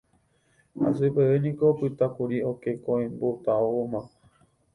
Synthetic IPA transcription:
ha̰sɨpeenĩkopɨt̪akuɾiokekõẽmbot̪aoomã

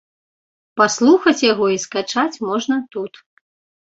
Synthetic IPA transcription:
paslˠuxɐt͡sʲjaɣɔiskat͡ʂat͡sʲmɔʐnɐt̪ut̪

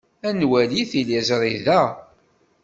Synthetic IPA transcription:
ænwæliθilizɾˤiðæ

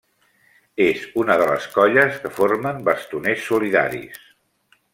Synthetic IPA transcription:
ezunəðələ̰skɔʎəskəforməmbəst̪unesːuliða̰ɾḭs

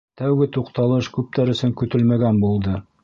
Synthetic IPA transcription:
t̪æwɡɘt̪uqt̪ɑlˠɤʃkʉp̚t̪æɾɵ̆sɵŋkɵ̆t̪ɵlmæɡænbulˠd̪ɤ

